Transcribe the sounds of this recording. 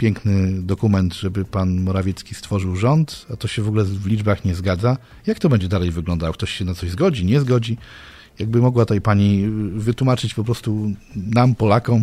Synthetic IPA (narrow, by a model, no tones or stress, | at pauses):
pʲjɛŋknɘd̪ɔkumɛnt̪ʐɛbɘpanmɔɾavʲjɛt̪skʲist̪fɔʐɘwʐɔnt̪at̪ɔɕɛvɔɡulɛvlʲid͡ʐbaxɲɛzɡad̪za | jak̚t̪ɔbɛɲd͡ʑɛd̪alɛjvɘɡlɔnd̪awk̚t̪ɔɕɕɛnat̪sɔʑzɡɔd͡ʑiɲɛzɡɔd͡ʑi | jaɡ̚bɘmɔɡwat̪ajpaɲivɘt̪wumat͡ʂɘt͡ɕpɔpɾɔst̪unampɔlakɔm